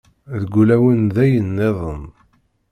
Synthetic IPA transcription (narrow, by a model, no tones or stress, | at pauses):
ðəɡʷːulæwənðæjənːeðˤən